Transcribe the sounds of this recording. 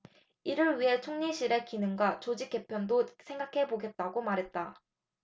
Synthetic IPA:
iɾɯɾɥiɦe̞t͡ɕʰoŋɲiɕʰiɾe̞kinɯŋɡwat͡ɕod͡ʑik͈e̞pʰjʌndosʰe̞ŋɡakʰe̞boɡe̞t̚t͈aɡomaɾɦe̞t̚t͈a

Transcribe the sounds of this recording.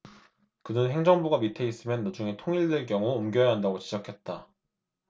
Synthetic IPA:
kɯnɯnɦe̞ŋd͡ʑʌŋboɡamitʰe̞is͈ɯmjʌnːad͡ʑuŋe̞tʰoŋiɭdɯɭk̬͈jʌŋuːmɡjʌjaɦandaɡot͡ɕid͡ʑʌkʰe̞t̚t͈a

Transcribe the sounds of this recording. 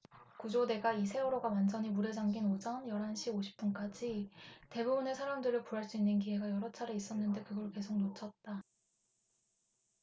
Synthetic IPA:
kud͡ʑode̞ɡaisʰe̞uɾoɡawand͡ʑʌɲimuɾe̞d͡ʑaŋɡinod͡ʑʌnjʌɾɦanɕʰiboɕʰi̥p̚p͈unk͈ad͡ʑite̞bubune̞sʰaɾamdɯɾɯɭkuaɭs͈uinːɯnk̬iɦe̞ɡajʌɾʌt͡ɕʰaɾe̞is͈ʌnːɯnde̞kɯɡʌɾɭke̞s̬ʰok̚not͡ɕʰʌt̚t͈a

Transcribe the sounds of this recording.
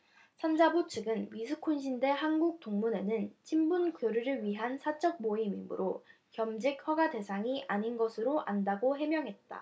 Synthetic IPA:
sʰand͡ʑabot͡ɕʰɯɡɯnmisʰɯkʰonɕ̬ʰinde̞ɦanɡuk̚t͈oŋmune̞nɯnt͡ɕʰimbunkjoɾuɾɯɭɥiɦansʰat͡ɕ͈ʌk̚moimḭmɯ̰ɾo | kjʌmd͡ʑik̚ɸwaɡade̞sʰaŋiʔaɲinɡʌsʰɯɾoʔandaɡoɦe̞mjʌŋɦe̞t̚t͈a̰

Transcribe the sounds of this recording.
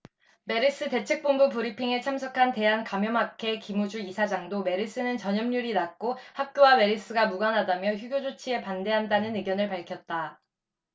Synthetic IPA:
me̞ɾis͈ɯte̞t͡ɕʰɯk̚p͈ombupuɾipʰiŋe̞t͡ɕʰamsʰʌkʰante̞ɦankamjʌmɦakʰe̞kimud͡ʑuisʰad͡ʑaŋdome̞ɾis͈ɯnɯnt͡ɕʌɲʌmɲuɾinak̚k͈ohak̚k͈jowame̞ɾis͈ɯɡamuɡanɦadamjʌçjuɡjod͡ʑot͡ɕʰie̞pande̞ɦandanɯnɯɡjʌnɯɭpaɭkʰjʌt̚t͈a

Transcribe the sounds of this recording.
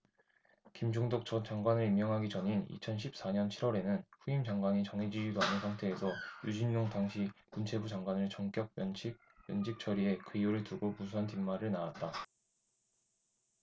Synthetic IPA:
kimd͡ʑoŋdok̚t͡ɕʌt͡ɕaŋɡwanɯɾimjʌŋɦaɡit͡ɕʌɲinḭt͡ɕʰʌnɕʰip̚s͈aɲʌnt͡ɕʰiɾwʌɾe̞nɯnɸuimd͡ʑaŋɡwaɲit͡ɕʌŋid͡ʑiidoanɯnsʰaŋtʰe̞ːsʰʌjud͡ʑinːoŋdaŋɕʰi | munt͡ɕʰe̞bud͡ʑaŋɡwanɯɭt͡ɕʌŋk͈jʌk̚mjʌnt͡ɕʰik̚mjʌnd͡ʑik̚t͡ɕ͈ʰʌɾie̞kɯijoɾɯɭtuɡomus̬ʰʌntimːaɾɯɭnawat̚t͈a

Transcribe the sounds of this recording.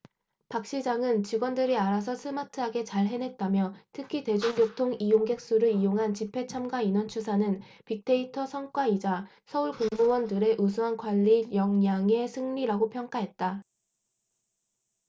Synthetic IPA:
pak̚ɕ͈id͡ʑaŋɯnt͡ɕiɡwʌndɯɾiaɾas̬ʰʌsʰɯmatʰɯɦaɡe̞t͡ɕaɭɦe̞nɦe̞t̚t͈amjʌtʰɯkʰite̞d͡ʑuŋjotʰoŋijoŋɡe̞k̚s͈uɾɯijoŋɦant͡ɕipʰe̞t͡ɕʰamɡwainʌnt͡ɕʰusʰanɯn | pik̚t͈ʰe̞itʰʌsʰʌŋk͈waid͡ʑa | sʰʌuɭkoŋbowʌndɯɾe̞ʔusʰuɦankwaʎːijʌŋɲaŋe̞sʰɯŋɲiɾaɡopʰjʌŋk͈aɦe̞t̚t͈a

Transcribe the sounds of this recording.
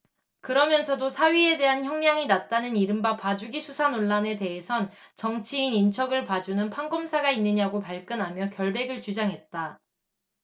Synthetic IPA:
kɯɾʌmjʌnsʰʌdosʰaɥie̞de̞ɦançjʌŋɲaŋinat̚t͈anɯniɾɯmbapad͡ʑuɡisʰusʰanoɭːane̞te̞ɦesʰʌnt͡ɕʌŋt͡ɕʰiːnint͡ɕʰʌɡɯɭpad͡ʑunɯnpʰaŋɡomsʰaɡainːɯɲaɡopaɭk͈ɯnɦamjʌkjʌɭbe̞ɡɯɭt͡ɕud͡ʑaŋɦe̞t̚t͈a

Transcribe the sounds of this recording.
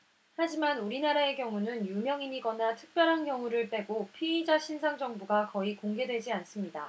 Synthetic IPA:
had͡ʑimanuɾinaɾae̞kjʌŋunɯnjumjʌŋiɲiɡʌnatʰɯ̥k̚p͈jʌɾɦankjʌŋuɾɯɭp͈e̞ɡopʰiːd͡ʑaɕʰinsʰaŋd͡ʑʌŋbuɡakʌikoŋɡe̞dwe̞d͡ʑians͈ɯmɲida

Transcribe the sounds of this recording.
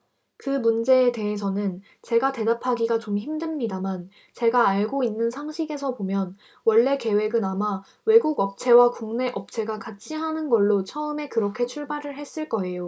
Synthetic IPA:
kɯmund͡ʑe̞ːte̞ɦesʰʌnɯn | t͡ɕe̞ɡate̞dapʰaɡiɡat͡ɕomçimdɯmɲidaman | t͡ɕe̞ɡaːɭɡoinːɯnsʰaŋɕʰiɡe̞s̬ʰʌpomjʌn | wʌɭːe̞ke̞we̞ɡɯnama | we̞ɡuɡʌp̚t͡ɕʰe̞wakuŋne̞ʔʌp̚t͡ɕʰeɡakat͡ɕʰiɦanɯnɡʌɭːot͡ɕʰʌɯme̞kɯɾʌkʰe̞t͡ɕʰuɭbaɾɯɭɦe̞s͈ɯɭk͈ʌe̞jo

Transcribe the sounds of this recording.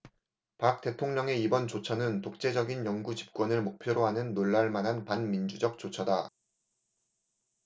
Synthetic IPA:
pak̚t͈e̞tʰoŋɲʌŋe̞ibʌnt͡ɕot͡ɕʰʌnɯntok̚t͡ɕ͈e̞d͡ʑʌɡinjʌŋɡut͡ɕi̥p̚k͈wʌnɯɭmok̚pʰjoɾoɦanɯnːoɭːaɭmanɦanpanmind͡ʑud͡ʑʌk̚t͡ɕ͈ot͡ɕʰʌda

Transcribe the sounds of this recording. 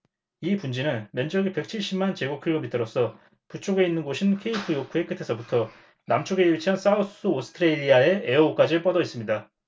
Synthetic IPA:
ipund͡ʑinɯnmjʌnd͡ʑʌɡipe̞k̚t͡ɕʰiɭɕ͈imːant͡ɕe̞ɡokʰiʎːomitʰɯɾos͈ʰʌ | put͡ɕʰoɡe̞inːɯnɡoɕʰinkʰe̞ipʰɯjokʰue̞k͈ɯtʰe̞sʰʌbutʰʌ | namt͡ɕʰoɡe̞it͡ɕʰiɦans͈aos͈ʰuosʰɯ̥tʰɯɾeʎːiae̞eook͈ad͡ʑiɭp͈ʌdʌis͈ɯmɲida

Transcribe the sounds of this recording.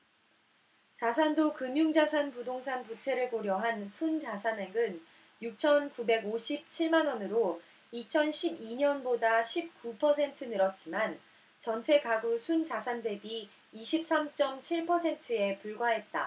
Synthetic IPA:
t͡ɕasʰandokɯmjuŋd͡ʑasʰanpudoŋsʰanput͡ɕʰe̞ɾɯɭkoɾjʌɦansʰund͡ʑasʰane̞ɡɯn | juk̚t͡ɕʰʌnkube̞ɡoɕʰip̚t͡ɕʰiɭmanʌnɯɾo | it͡ɕʰʌnɕʰibiɲʌnbodaɕʰip̚k͈upʰʌsʰe̞ntʰɯnɯɾʌt̚t͡ɕ͈iman | t͡ɕʌnt͡ɕʰe̞kaɡusʰunt͡ɕasʰande̞biː | ɕʰip̚s͈amt͡ɕ͈ʌmt͡ɕʰiɭpʰʌsʰe̞ntʰɯe̞puɭɡwaɦe̞t̚t͈a̰

